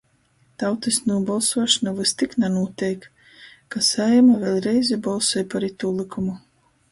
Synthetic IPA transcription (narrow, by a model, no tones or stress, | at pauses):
t̪awt̪ɨsnuɔbalˠsuɔʃɔnavɨst̪iknanuɔt̪ʲɛjk | kːasajɛmavʲɛlʲˠɾɛjzʲibɔlˠsɔjpaɾit̪ulˠikumu